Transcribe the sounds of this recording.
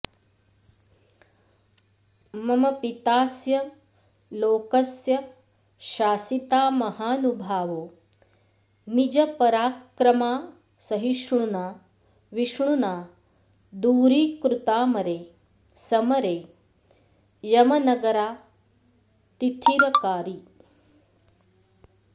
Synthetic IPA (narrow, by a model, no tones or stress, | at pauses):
mɐmɐpit̪aːsjɐ | loːkɐsjɐ | ʃaːsit̪aːmɐhaːnubʱaːʋoː | nid͡ʒɐpɐɾaːkɾɐmaː | sɐɦiʂɳ̃unaː | ʋiʃɳ̃unaː | d̪uːɾiːkɾut̪aːmɐɾeː | sɐmɐɾeː | jɐmɐnɐɡɐɾaː | t̪it̪ʰiɾɐkaːɾi